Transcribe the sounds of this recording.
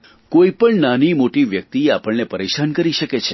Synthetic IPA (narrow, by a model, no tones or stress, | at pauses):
koipəɳnanimoʈiʋjək̚t̪iapəɭnepəɾeʃankəɾiʃəket͡ʃʰe